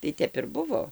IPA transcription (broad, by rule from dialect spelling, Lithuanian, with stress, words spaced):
tɐɪ ˈtʲɛp ɪr ˈbʊʋoː